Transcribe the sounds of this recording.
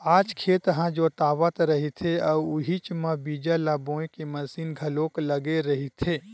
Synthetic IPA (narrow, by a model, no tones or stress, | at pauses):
aːd͡ʒkʰeːt̪ɦãd͡ʒot̪aːʋət̪ɾəɦit̪ʰeəuʊɦit͡ʃmãbiːd͡ʒalabõẽkeməsiːnɡʱəloːkləɡeɾəɦit̪ʰe